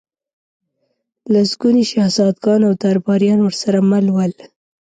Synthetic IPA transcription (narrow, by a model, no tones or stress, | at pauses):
lasɡuniʃahzɑd̪ɡɑnawd̪aɾbɑɾjɑnwəɾsaɾamalwəl